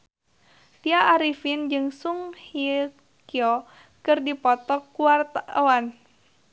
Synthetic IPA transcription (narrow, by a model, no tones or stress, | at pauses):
t̪iaʔːɾifind͡ʒɨŋsuŋhi | kiɔ | kɨrdipɔt̪ɔkuart̪awan